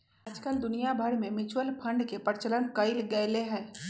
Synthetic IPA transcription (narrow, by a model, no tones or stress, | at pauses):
ad͡ʒkəld̪ʊnijabʱɐɾmẽmɪt͡ʃʰwəlpʰɐ̃ɳɖkepəɾt͡ʃələnkəɪlɡɛɪleɦɛ̃ː